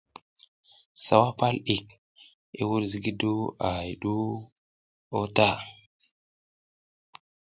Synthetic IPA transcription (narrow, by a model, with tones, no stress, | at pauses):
sa˨wa˦pa˦lɗi˨k̚ | ḭ˦wu˦ɾzi˦ɡi˦du˦a˨ji˨ɗu˦ | o˦ta˦˨